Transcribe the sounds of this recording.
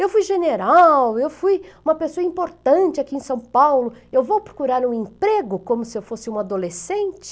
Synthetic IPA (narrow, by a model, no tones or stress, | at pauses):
ewfujʒeneɾawewfujũmɐpesoɐĩmpoɾt̪ɐ̃t͡ʃɪakiẽsɐ̃w̃pawlʊewvowpɾo̥kuɾaɾũẽpɾeɡʊkõmʊsɪewfosɪũad̪olesẽnt͡ʃɪ̥